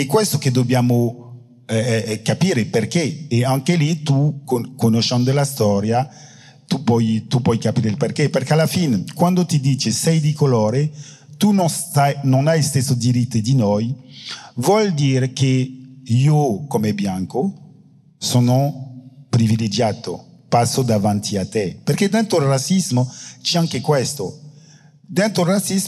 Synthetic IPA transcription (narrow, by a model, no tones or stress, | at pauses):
ɛkwɛst̪oked̪objaːmo | ɛkapiːɾeperkeeaŋkelit̪ukokonoʃɛnd̪olast̪ɔɾja | t̪upɔjt̪upɔjkapiːɾelperkeperkealːafinekwand̪ot̪id̪iːt͡ʃesɛjd̪ikolɔːɾe | t̪unsanonajist̪esod̪iɾit̪ːed̪inɔj | vwɔld̪iːɾekʰeiokomɛbjaŋko | sonopɾiviled͡ʒaːt̪o̰pasod̪avant̪ʰiat̪epeɾked̪ɛnt̪oilrasizmot͡ʃiaŋkekwɛst̪o | d̪ɛnt̪ɾolrasiz